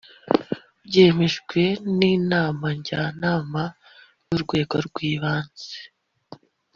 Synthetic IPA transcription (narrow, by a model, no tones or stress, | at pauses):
bje̞ːmeʒɡwe̞niːnaːmaɲɟanaːma | juɾɡwe̞ːɡoɾɡwiːβaːnz̥e